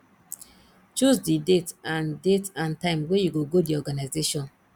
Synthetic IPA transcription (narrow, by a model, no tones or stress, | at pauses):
t͡ʃuzdidetãndetãntãɪ̃mwejuɡoɡodiɔɡanaɪzeʃɔ̃n